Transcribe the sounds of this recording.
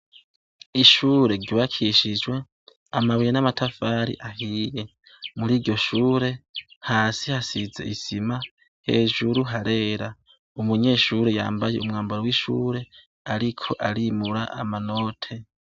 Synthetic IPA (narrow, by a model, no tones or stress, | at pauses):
iʃuːɾe̞ɾɟoβakʰiʃid͡ʒwe̞ | amaβwujenamatʰafaːɾḭʔahiːje | muɾiːɾɟo̞ʃuːɾe̞haːsihasize̞̰ʔisima | he̞̰ːʒuɾuɦaɾe̞ːɾa | umuɲe̞ːʃuːɾe̞ja̰ːmbaje̞̰umŋaːmbaɾowiʃṵːɾe̞ | aɾikʰo̞̰ʔaɾimuɾa̰ʔa̰mano̞ːtʰe̞